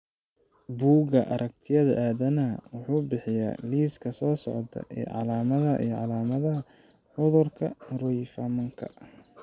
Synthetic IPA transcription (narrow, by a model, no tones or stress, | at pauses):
buːɡɐʔɐɾʔɐk̚t̪ʰɪjɐðɐʔaːðɐnɐwʊħuːbɪħɪja̰ːliːskʰɐsɔːsɔʕt̪ʰɐ̰ʔɛ̰ːʕɑ̰laːmɐðɐʔḭjɔʕɑlaːmɐðɐɦɐ | ħʊðʊrkʰɐrʊjfɐmɐŋkʰɐ̰